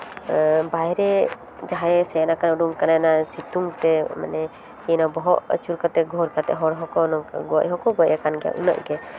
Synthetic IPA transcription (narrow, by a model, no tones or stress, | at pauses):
bajɾɛ | d͡ʒaɦaɛsɛanakanuɖuŋkanajnasit̪uŋt̪ɛma̰nɛ | t͡ʃinabɔɦɔʔə̰t͡ʃuɾkat̪ɛɡʱɔɾkat̪ɛ̰ʔɦɔɾɦɔkɔnɔɡɔa̰ʔɦɔkɔɡɔaʔakanɡɛja̰ʔṵna̰ʔɡɛ